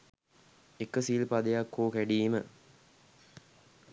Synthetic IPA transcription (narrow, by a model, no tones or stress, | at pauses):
ekəsilpad̪ejakʰːoːkæɖiːmə